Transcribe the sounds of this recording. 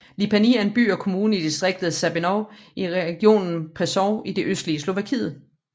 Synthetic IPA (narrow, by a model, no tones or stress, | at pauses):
lipʰænḭænb̥y̰ːɒ̽kʰo̝muːnəid̥isd̥ʁeɡ̥̚d̥ð̩ˠsæb̥enɒʊʔiʁɛɡ̥jo̝̰ːnn̩pʰʁɛsɒʊid̥e̝ʔøsd̥liəslo̝ʋækʰḭːð̩ˠ